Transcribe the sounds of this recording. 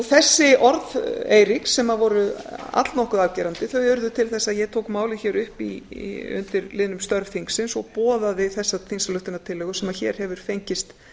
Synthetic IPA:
θɛsːɪʔɔɾðeːjɾiksːɛmavɔɾʏa̰t̪lnɔhkʏðavcɛːɾant̪ɪθœʏɾðʏt̪ʰɪlθɛsːaðjɛɣt̪ʰoːwkmaːwlɪçɛːɾʏhpiʏ̰nt̪ɪɾlɪðnʏmst̪œɾvfiŋksɪnsɔpɔːðavɪðθɛsːat̪ʰinsalʏht̪ɪnat̪ʰɪlːɛɣʏsɛmaçɛːɾ̥hɛvʏɾ̥fejɲcɪst̪

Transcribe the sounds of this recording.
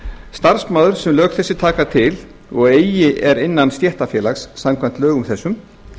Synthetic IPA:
st̪aɾ̥smaːðʏɾ̥sɛmlœːɣθɛsːɪt̪ʰaːkat̪ʰɪl | ɔɣeːjjɪʔɛɾɪnːanst̪jɛht̪afjɛːlaxsːamkʰvajn̥t̪lœːɣʏmθɛsːʏm

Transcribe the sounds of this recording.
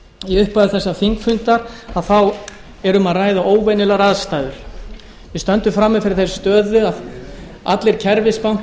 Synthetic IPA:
iʏhpaðɪθɛsːafiŋkfʏnt̪aɾ̥aðθaw | ɛɾʏmaðraːjðaʔoːwvɛnʏlaɾaːðst̪aːjðʏɾ̥ | vɪst̪œnt̪ʏmfɾamːɪfɪɾɪɾ̥θejsst̪œːðʏað | a̰t̪lɪɾ̥cʰɛɾvɪspawŋ̥t

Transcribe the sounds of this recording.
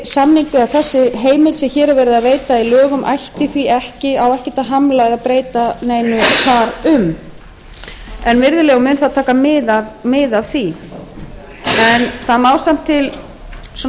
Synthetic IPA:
samniŋkʏaθɛsːɪɦeːjmɪlsɛmçɛːɾɛɾvɛːɾɪðaðveːjt̪ailœːɣʏmʔa̰jht̪ɪθviɛhcɪawɛhcɪ̥t̪aɦamlaɣðapɾeːjt̪aneːjnʏkʰaːɾʏm | ɛnvɪɾðʏlɛːɣʏmʏːnθaðt̪ʰaːkamɪðavmɪðavθi | ɛnθaðmaːwsam̥t̪ʰːɪl | s

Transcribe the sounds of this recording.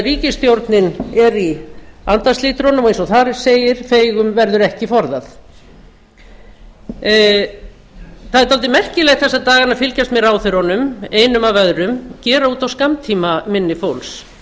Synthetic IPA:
riːcɪst̪jowɾt̪nɪnɛɾiant̪asliːt̪ɾɔnʏmɔejnsɔθaɾseːjɪɾ̥feːjɣʏmvɛɾðʏɾɛhcɪfɔɾðaθ | θaðɛɾt̪alt̪ɪmɛr̥cɪlɛɣt̪θɛsːat̪aːɣaɾnafɪlcast̪mjɛɾawθʏɾhɔnʏmeːjnʏmavœðɾʏmcɛːɾauːt̪awskamt̪ʰiːmamɪnːɪfowls

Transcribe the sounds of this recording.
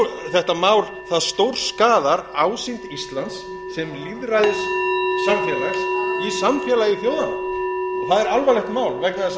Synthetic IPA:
θɛht̪amaːwl | θaðst̪owɾ̥skaːðaɾaːwsint̪ist̪lant̪sː | ɛmliðrajðɪsːamfjɛlasisamfjɛːlaiθjoːwðanɪθaðɛɾalvalɛht̪maːwlvɛknaðɪs

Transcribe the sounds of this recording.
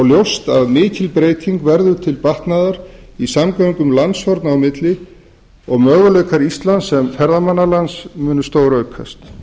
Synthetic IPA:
ɔɣljowst̪aðmɪːcɪlpɾeːjt̪ʰiŋkvɛɾðʏ̥t̪ʰɪlpaht̪naðaɾisamkaːwiŋkʏmlanshɔɾt̪nawmɪt̪lɪ | ɔɣmœːɣalœɥkaɾist̪lansːɛmfɛɾðamanːalansmʏːnʏst̪owɾœɥkʰa̰st̪

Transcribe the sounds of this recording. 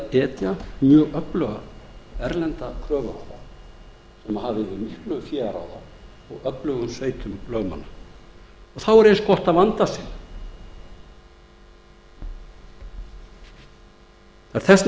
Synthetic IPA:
ɛːt̪jamjœːɣœplœɣaɛɾlɛnt̪akʰɾœːvʏa̰wða̰ | sɛmahavðɪvɪmihklʏfjɛːaɾa̰ːwða | ɔɣœplœɣʏmsveːjt̪ʰʏmlœːɥma̰nːa | ɔɣθawɛɾejnskɔht̪avant̪asɛn | θaɾ̥θɛs

